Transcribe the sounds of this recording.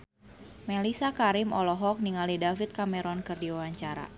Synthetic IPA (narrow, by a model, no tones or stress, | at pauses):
melisakaɾimɔ̰lɔɦɔk̚niŋalidafit̪̚kamɛɾɔnkɨrdiwawaɲt͡ʃaɾa̰